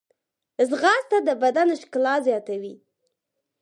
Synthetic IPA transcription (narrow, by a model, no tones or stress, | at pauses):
zɣɑst̪ad̪əbad̪anʃklɑzjɑt̪awi